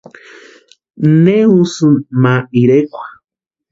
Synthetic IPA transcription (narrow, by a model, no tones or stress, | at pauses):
neusɨmaiɾekʷḁ